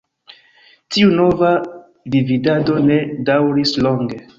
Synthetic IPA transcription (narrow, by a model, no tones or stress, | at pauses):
tiuno̞va | dividado̞ne̞dawɾislo̞ŋɡe̞